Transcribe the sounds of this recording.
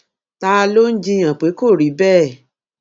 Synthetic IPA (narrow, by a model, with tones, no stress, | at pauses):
ta˦˧lo˦n̩˦d͡ʒi˦j̃ã˨k͡pe˨˦ko˦˨ɾi˨˦bɛː˦˨